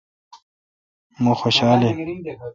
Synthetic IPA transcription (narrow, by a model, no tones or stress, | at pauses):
mõːxoʃaːle